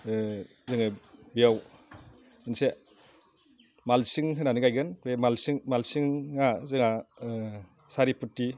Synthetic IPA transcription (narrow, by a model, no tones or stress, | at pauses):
zɯŋɯbijaw | ɯnse | malsiŋɦɯnanɯɡajɡɯnemalsiŋmalsiŋːazɯŋa | saɾiputːi